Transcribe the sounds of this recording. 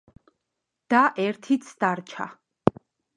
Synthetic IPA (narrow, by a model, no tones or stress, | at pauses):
d̪̥aʔɛɾt̪ʰit̪sʰd̪̥aɾt͡ʃʰa̰